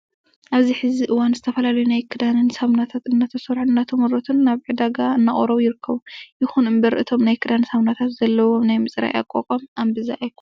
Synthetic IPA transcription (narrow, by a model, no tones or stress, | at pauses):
ʔaβziħɨziʔɨwanzɨt̪ʰɐfɐlalɐjunajkʰɨd̪anɨnsamnat̪ʰat̪ɨnːat̪ʰɐsoɾħɨnːat̪ʰɐmɨɾot̪ʰɨnːaβʕɨd̪aɡaɨnːaʔʼoɾoβjɪɾɨkʰːɐβujɪxunɨmbɐɾʔɨt̪ʰo̞mnajkʰɨd̪ansamnat̪ʰat̪z̥ɐlːɐwo̞najmɨsʼɾa̰ja̰kʼːokʼomambɨzaʔajkʰu